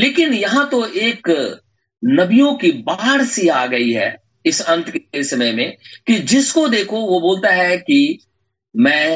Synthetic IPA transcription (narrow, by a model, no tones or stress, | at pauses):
leːkɪnjɐɦãt̪oʔeːk | nɐbijõkibaːɦɾsiaːɡɐiɦɛ̰ː | ɪsɐ̃nt̪ksɐməjmẽkid͡ʒɪskod̪eːkʰoʋoboːlt̪aɦɛki | mɛ̃ː